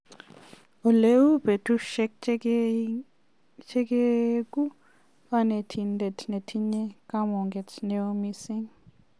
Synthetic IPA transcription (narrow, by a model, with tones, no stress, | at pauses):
o˨le˦u˦be˨tu˦ʃɛk̚ | t͡ʃʰɛ˦kekʼu˦ | a˦ne˨tʰi˨nde˨tʰne˨tʰi˦ɲɛ˦ka˦mɔ˨ŋɡɛ˨tne˨o˦mi˦si˦ŋ